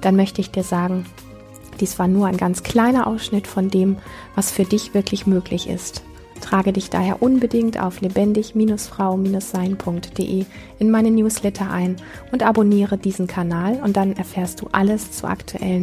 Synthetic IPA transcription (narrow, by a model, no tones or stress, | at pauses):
d̥anmœçtəɪçd̥iːɐzaːɡŋ̩ | d̥iːsv̥aːɐnuːɐʔaɪnɡant͡skʰl̥aɪnɐʔa̰ʊsʃnɪtfɔndeːmvasfyːɐdɪçv̥ɪɐkʰlɪçmøːklɪçɪ̰st | tʰʁ̥aːɡədɪçd̥a̰ːheːɐʔʊnbədɪŋtʰʔa̰ʊflebɛndɪçmiːnʊsfʁ̥aʊmiːnʊsz̥aɪnpʰʊŋk̚td̥ḛʔeːʔɪnmaɪnənjuːslɛtʰɐʔaɪnʔʊntʔaboniːʁədiːzn̩kʰanaːlʊnt̚d̥anɛɐfɛːɐstd̥ṵːʔaləst͡sṵʔa̰ktʰṵʔɛ̰lən